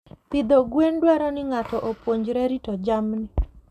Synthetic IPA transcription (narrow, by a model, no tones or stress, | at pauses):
pid̪oɡwendwɛɾɔnɪŋatɔʔopwoɲd͡ʒɾɛɾitɔd͡ʒamnɪ